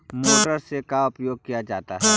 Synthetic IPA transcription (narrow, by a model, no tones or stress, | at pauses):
moːʈəɾsekaʊpjoːɡ̚kijad͡ʒaːt̪aɦɛː